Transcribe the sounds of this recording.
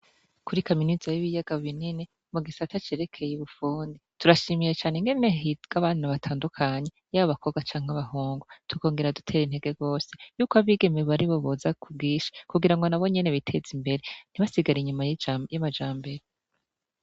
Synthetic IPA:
kuɾikaminizajiβijaɡ̥aββinini | muɡisatat͡ʃe̞ɾe̞kʰe̞jeβufuːndituɾaʃimijet͡ʃaːneŋɡe̞neɦiɡ̥aβaːnaβatʰaːndukʰaɲejaβaβako̞βɡwat͡ʃaːŋ̥aβaɦuːŋɡutuko̞ːŋɡeɾadutʰe̞ːɾin̥he̞ɡe̞ɡo̞ːse̞̥juːkoaβiɡe̞meβaɾiβoβozakʰub̚ɡiːʃḁkuɡiɾaŋɡo̞naβo̞ɲe̞ne̞βitʰe̞zimbe̞ɾe̞n̥iβasiɡaɾiɲumajjamad͡ʒaːmbe̞ɾe

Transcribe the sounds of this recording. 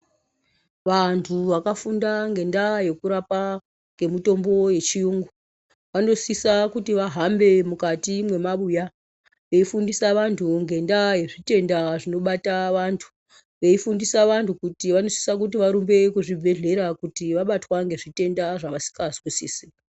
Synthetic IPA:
ʋantʰuʋakafundaŋɡe̞ndaje̞kuɾapa | ŋɡe̞mito̞mbo̞je̞t͡ʃijuːŋɡu | ʋano̞sisakutiʋaɦambe̞mukatimwe̞maɓuja | ʋe̞ifundisaʋantʰuŋɡe̞ndaje̞ʐite̞ndaʐino̞ɓataʋantʰu̥ | ʋe̞ifundisaʋantʰukutiʋano̞si̥sak̬utiʋaɾumbe̞kuʐibʱe̞ɮe̞ɾakutiʋaɓatwaŋɡe̞ʐite̞ndaʐaʋasi̥kaskisiːsi

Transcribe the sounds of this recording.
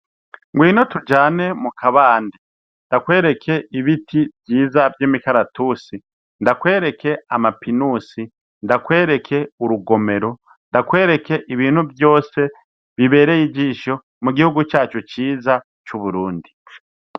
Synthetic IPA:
ŋɡwiːno̞tud͡ʒaːne̞mukʰaβaːndi | ndakwe̞ːɾe̞kʰe̞iβitʰibjiːzavjeːmikaɾatuːsi | ndakwe̞ːɾe̞kʰe̞amapinuːsi | ndakwe̞ːɾe̞kʰe̞uɾuɡo̞me̞ɾo̞ | ndakwe̞ːɾe̞kʰe̞ʔiβiːn̥huvjo̞ːse̞ | βiβe̞ːɾejid͡ʒiʃo̞ | muɡihuɡut͡ʃaːt͡ʃot͡ʃiːza | t͡ʃuβuɾuːndi

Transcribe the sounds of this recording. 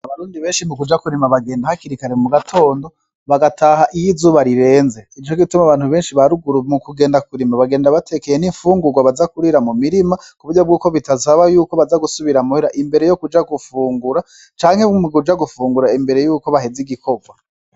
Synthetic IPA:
aβaɾuːndiβeːnʃimukud͡ʒakuɾimaβaɡe̞ːndahakiɾikaɾemuɡatʰo̞ːndo̞ | βaɡatʰaːhaʔijizuβaɾiɾe̞ːnze̞it͡ʃoɡitumaβaːn̥huβe̞ːnʃiβaɾuɡuɾumukuɡe̞ːndakuɾimaβaɡe̞ːndaβatʰe̞kejeniɱfuːŋɡuɡwaβazakuɾiɾamumiɾimakuβuɾɟo̞b̚ɡuːko̞βitazaβajuːko̞βazaɡusuβiɾamuhiɾaʔimbe̞ɾe̞jo̞kud͡ʒaɡufuːŋɡuɾa | t͡ʃaːŋhe̞mukud͡ʒaɡufuːŋɡuɾaimbe̞ɾe̞juːko̞βaɦeziɡiko̞ɡwa

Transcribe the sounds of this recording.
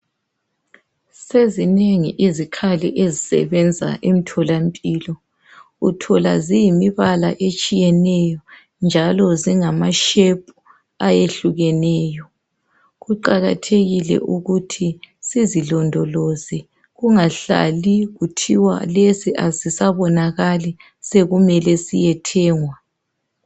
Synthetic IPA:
sezineŋḭʔizikʰalḭʔezisɛ̰βɛnd͡zʱa̰ʔem̩tʰɔlampʼiːlɔ | ɣutʰɔla̰zijimiβala̰ʔet͡ʃʼijɛnɛjɔ | nd͡ʒʱalɔziŋamaʃepʼu̥ | ajeɬuɣɛnɛːjɔ | ɣuǃaɣatʰeɣilɛ̰ʔuɣutʰisizilɔndʱɔlozi | ɣuŋaɬa̰liɣutʰiwa̰lesiʔazisaβɔnaɣali | seɣumɛlɛsijɛtʰɛːŋwa

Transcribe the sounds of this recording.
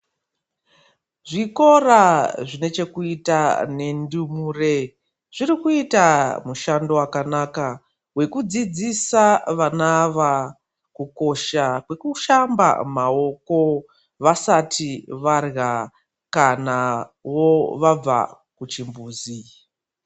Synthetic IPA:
ʐiko̞raʐine̞t͡ʃe̞kuitane̞ndumuːre̞ | ʐ̥irikuitamuʃando̞wakanaːka | we̞kud͡zid͡zisaʋanaʋa | kuko̞ʃakwe̞kuʃamba̰mao̞ko̞ | ʋasatʰiʋarɣa | kanawoʋab͡va̰ | kut͡ʃimbuːzi

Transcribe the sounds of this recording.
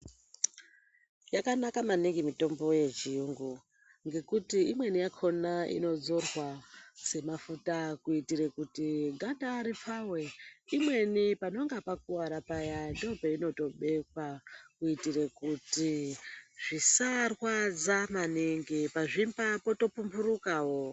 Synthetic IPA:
jakanakamaniŋɡimito̞mbo̞je̞t͡ʃijuŋɡu | ŋɡe̞kutiimwe̞nijakʰo̞naḭno̞d͡zo̞rwase̞mafutakuitiɾekutiɡʱandaɾip͡faweimwe̞nipano̞ŋɡapak̚uwaɾapajandopeino̞to̞ɓe̞kwakuitirekuti | ʐisarwad͡zamaniŋɡipaʐimbapo̞to̞pumbuɾukaːwo

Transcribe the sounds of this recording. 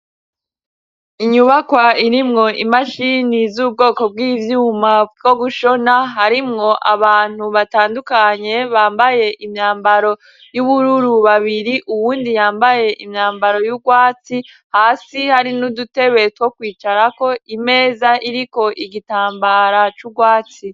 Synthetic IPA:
iɲuβakwaiɾimŋo̞ʔimaʃinizub̚ɡo̞ːko̞b̚ɡiːvjuːmaɡo̞ɡuʃo̞naɦaɾimŋo̞ʔaβaːn̥huβataːndukaɲe̞βaːmbaje̞ʔimɲaːmbaɾo̞ | juβuɾuɾuβaβiɾiʔuβuːndijaːmbaje̞ʔimɲaːmbaɾo̞juɡwaːt͡si | haːsihaɾinudute̞βe̞twokwiːt͡ʃaɾako̞ʔime̞ːzaʔiɾiko̞ʔiɡitaːmbaɾat͡ʃuɡwaːt͡si

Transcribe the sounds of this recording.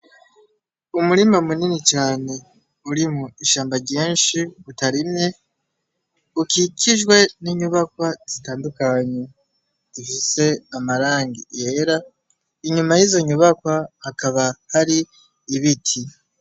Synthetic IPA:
umuɾimamuninit͡ʃaːne̞ | uɾimuiʃaːmbaɾɟeːnʃiɡutaɾimɲe̞ | ukikʰiʒɡwe̞niɲuβakwaz̥itaːndukaɲe̞ | z̥ifise̞amaɾaːŋɡije̞ɾa | iɲumajizo̞ɲuβakwahakaβahaɾiː | βitʰi

